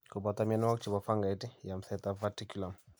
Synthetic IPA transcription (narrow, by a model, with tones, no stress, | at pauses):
ku˨bat̪amian˦a˦kt͡ʃi˨ba˨fa˦ŋɡa˨ti˦ja˨m̩sɛt̪avati˦kula˨m